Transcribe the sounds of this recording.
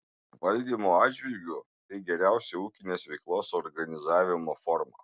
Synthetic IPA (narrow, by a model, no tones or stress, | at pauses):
ʋɐlʲd̪ʲiːmoːɑːd͡ʒʲʋʲɪlʲɡʲʊ | t̪ɐɪɡʲɛɾʲæˑʊsʲɛuːkʲɪnʲeːsʋʲɛɪklˠoːsɔɾɡɐnʲɪzɑːʋʲɪmoːfɔɾmɐ̰ː